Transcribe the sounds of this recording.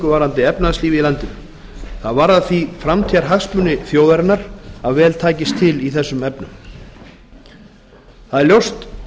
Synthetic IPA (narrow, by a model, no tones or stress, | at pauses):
kʏvaːɾant̪ɪɛpnaðsliːvɪilant̪ʏm | θaðvaɾaðθvifɾamt̪ʰiaɾ̥ɦaɣspmʏnɪθjoːwðaɾɪnaɾ̥aðvɛːlt̪ʰaːcɪst̪ʰɪliθɛsːʏmɛpnʏm | θaðɛɾljowst̪